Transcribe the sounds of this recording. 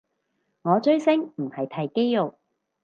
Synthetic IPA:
ŋɔː˨˧t͡ʃɵ˥ɥsɪ˥ŋm̩˨˩hɐ˨jt̪ʰɐ˨˩jke˥jjo˨˩k̚

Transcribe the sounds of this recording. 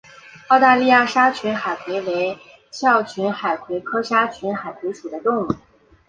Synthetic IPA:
ɑ˥˧ʊt̪a˥˧li˥˧ja˥˩ʂa˥t͡ɕʰy˧˥nxa˨˩ɪkʰwe˧˥ɪwe˧˥ɪ | t͡ɕʰjɑ˥˩ʊt͡ɕʰy˧˥nxa˨˩ɪkʰwe˧˥ɪkʰɤ˥ʂa˥t͡ɕʰy˧˥nxa˨˩ɪkʰwe˧˥ɪʂu˨˩d̪ə˦t̪ʊ˥˩˧ŋu˨˥˩

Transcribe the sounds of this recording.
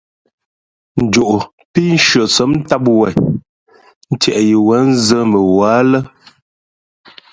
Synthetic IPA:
n̩˨d͡ʒo˨ʔo˨ | pi˦n̩˦ʃɥə˨t͡sə˨˦m̩˦ta˦p̬̚wɛ˨ | n̩˦tjɛ˨ʔji˨wɛ˨˦n̩˦zə˦mə˨wa˨˦lə˦

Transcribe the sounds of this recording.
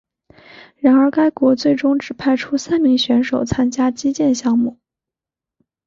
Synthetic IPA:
ɻa˧˥nə˞˧˥ka˥ɪkwɔ˧˥t͡swe˥˩ɪʈ͡ʂʊ˥ŋʈ͡ʂɻ̩˨˩pʰa˥˩ɪʈ͡ʂʰu˥sa˥nmi˧˥ŋɕɥɛ˧˥nʂo˨˩ʊt͡sʰa˥nt͡ɕja˥t͡ɕi˥t͡ɕjɛ˥˧nɕjɑ˥˧ŋmu˥˩

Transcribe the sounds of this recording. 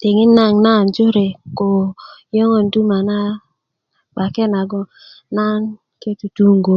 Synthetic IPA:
te˨ŋɪ˦na˦˨ŋna˦˨nd͡ʒʊ˦ɾe˨ko˨jɔ˦ŋo˨ndu˦ma˨na˦ | ɓa˨ke˦na˨ɡɔ˦ | na˦n | ke˦tu˨tu˦ŋɡo˨

